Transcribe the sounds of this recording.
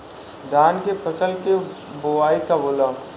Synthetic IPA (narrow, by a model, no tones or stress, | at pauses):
d̪ʱaːnkepʰɐsəlkeboʋaːikaboːlaː